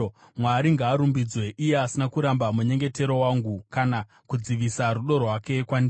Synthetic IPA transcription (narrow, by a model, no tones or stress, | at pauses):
mwaɾiŋɡaːɾumbid͡zwe̞ʔije̞asinakuɾambamuɲe̞ŋɡe̞te̞ɾo̞waːŋɡukana | kud͡ziʋisaɾuɗo̞rɦwake̞kwandi